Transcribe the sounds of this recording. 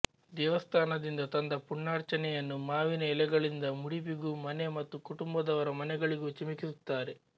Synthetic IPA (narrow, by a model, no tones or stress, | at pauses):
d̪ɛːʋɐst̪ʰaːnɐd̪ind̪ɐt̪ɐnd̪ɐpuɳːaːɾt͡ʃɐnɛjɐnːumaːʋinɐɛlɛɡɐɭind̪ɐmuɽipiɡuːmɐne̞mɐt̪ːukuʈumbɐd̪ɐʋɐɾɐmɐnɛɡɐɭiɡut͡ʃimikisut̪ːaːɾe